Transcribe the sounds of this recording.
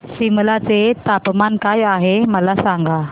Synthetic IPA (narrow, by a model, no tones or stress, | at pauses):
simlat͡set̪apmankajaɦeməlasaŋɡa